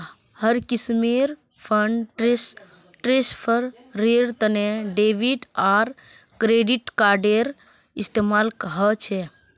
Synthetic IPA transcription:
həɾkismeɾ | pʰəɳɖʈes | ʈɾespʰəɾː | eɾt̪əneɖeʋiɖaɾ | kɾeɖiʈkaɾɖeɾ | ist̪emalkəɦət͡ʃʰɛ

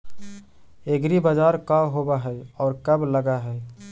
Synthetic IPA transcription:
eɡɾibəd͡ʒaːɾkaɦobaɦɛɔːɾkəbləɡaɦɛː

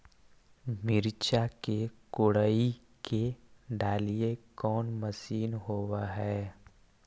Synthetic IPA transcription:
mɪɾt͡ʃakekʊɽai | keɖaːliekɔːnməsiːnɦoːwaɦɛː

